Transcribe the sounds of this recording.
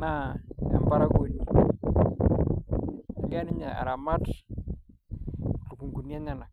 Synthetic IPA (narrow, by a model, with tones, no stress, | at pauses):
na˨ɛ̰˨mba˦ɾa˦ko˨ni˨ | ɡa˦ni˦ɲa˨a̰˨ɾa˨ma˦t | lu˨ku˨ŋɡu˨ni˦a˦ɲa˨na˨k